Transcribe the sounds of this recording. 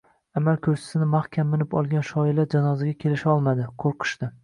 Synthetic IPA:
amalkʲʰɵɾt͡ʃʰɪ̥sɪnɪmahkʲʰamːɪnlɪpɒ̰lˠɡʲanʃɒɪlaɾd͡ʒanɒzaɡʲakʲʰe̞lɪʃaɒlˠmad̪ɪqʰoɾqʰɨ̥ʃt̪ɪ

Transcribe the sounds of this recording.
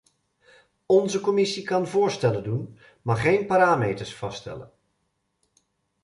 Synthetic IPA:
ɔnzəkɔmɪsikɑnvʊːɹstɛləndun | maχejnpaːɾaːmejtəɹsfɑstɛ̰lə̰n

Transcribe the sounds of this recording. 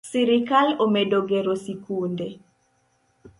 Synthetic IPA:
siɾikalomedoɡeɾosikunde

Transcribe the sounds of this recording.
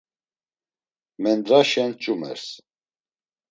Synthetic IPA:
mɛnd̪ɾaʃɛnt͡ʃʼumɛ̰ɾs

